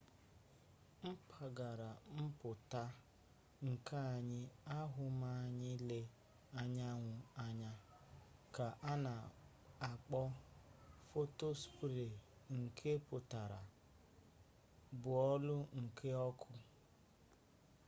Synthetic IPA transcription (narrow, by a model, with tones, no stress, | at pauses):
m̩˦pʰa˨ɡa˨ɾa˨m̩˦pʊ˨ta˦ | ŋ̩˨kʰa˦a˨ɲɪ˦a˦ɦʊ˨ma˦a˨ɲɪ˦le˦ | a˦ɲa˦ŋʷʊ˨a˦ɲa˦ | ka˨ʔa˦na˨ | a˨k͡pɔ˦ | fo˦to˦spu˨ɾe˨ŋ̩˨kʰe˦pʊ˨ta˨ɾa˨ | bʊ˨ɔ˦lʊ˦ŋ̩˨kʰe˦ɔ˦kʰʊ˦